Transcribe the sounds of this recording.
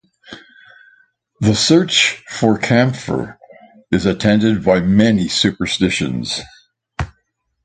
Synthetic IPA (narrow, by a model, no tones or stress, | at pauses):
ðəsɜ˞t͡ʃfə˞kʰæ̃mfə̰˞ | ɨzɨtʰɛ̃ndɨd̚baɪmɛnisʉpə˞stɪʃɨ̰̃nz̥